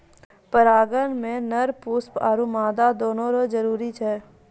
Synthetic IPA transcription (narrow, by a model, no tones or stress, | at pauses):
pəɾaːɡənmẽnɐɾpuːspaːɾumaːd̪ad̪oːnõɾod͡ʒəɾuːɾit͡ʃʰɛː